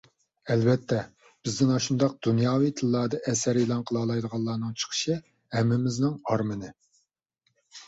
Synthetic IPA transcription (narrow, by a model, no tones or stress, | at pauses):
ɛlvɛt̪ʰːɛ | b̥ɪzd̪ɪŋɑʃund̪ɑq̚d̪̥unjɑːwid̪ʰɨlˠːɑːd̪ɑʔɛsæɾelˠɑnqʰəlˠɑːlˠɑjd̪əʁɑlˠːɑːnɨŋt͡ʃʰə̥qʰə̥ʃɨ | hɛmːɪmɪznɪŋɑɾmɨnɨ